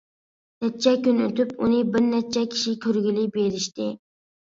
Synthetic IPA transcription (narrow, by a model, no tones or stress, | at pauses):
nɛt͡ʃʰːɛkʲynøt̪ʰypunɪbɪɾnɛt͡ʃʰːɛkʲʰi̥ʃikʲʰøɾɡʲilɪbeɾɪʃt̪ɪ